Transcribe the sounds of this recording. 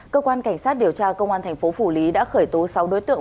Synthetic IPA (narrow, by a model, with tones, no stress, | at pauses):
kəː˧kwaː˧nka˧˩jŋ̟saː˦˥t̚ɗi˨˩əwt͡ɕaː˧kə˧wŋ͡mʔaː˧nt̪ʰŋ̟fo˨˦fu˧˩li˨˦ɗa̰ː˧˥xəː˧˩jt̪o˨˦sa˨˦wɗo̰˨˦jt̪ɨ̰˧˨